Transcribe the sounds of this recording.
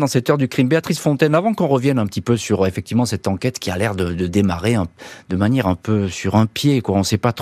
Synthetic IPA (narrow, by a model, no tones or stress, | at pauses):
d̪ɑ̃sɛt̪œʁd̪ykχimbeat̪χisfɔ̃t̪ɛnavɑ̃kɔ̃ʁəvjɛnɛ̃pə̥t̪ipøsyʁefɛk̚t̪ivmɑ̃sɛt̪ɑ̃kɛt̪kʲialɛʁd̪əd̪əd̪emaʁeɛ̃d̪əmanjɛʁɛ̃pøsyʁɛ̃pjekwaɔ̃sɛpat̪